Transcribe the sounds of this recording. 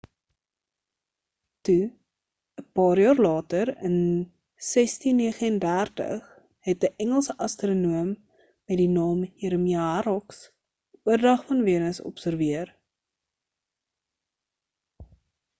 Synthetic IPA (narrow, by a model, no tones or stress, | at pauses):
tu | əpɑːrjɑːrlɑːtəɾən | sɛstinːiəχəəndærtə̰χ | ɦɛt̚diʔɛŋəlˠsəʔɐstronuəmː | ɛtdinɑːmjəɾəmiɐɦɐɾɔks | uərdɐχfɐnviənəsɔ̰psərviər